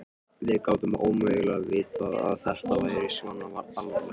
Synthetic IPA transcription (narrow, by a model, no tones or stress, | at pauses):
vɪðkaːwt̪ʏmaʔowmʏœɣlaɣvɪːt̪aða̰ðθɛr̥t̪avaːjɾɪɾisvɔnavaɾalvala